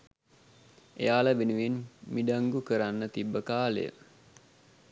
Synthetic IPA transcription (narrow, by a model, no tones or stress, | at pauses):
ḛjaːləbenuʋinmiɖaŋɡukəɾanːət̪ibːəkaːlḛjə̰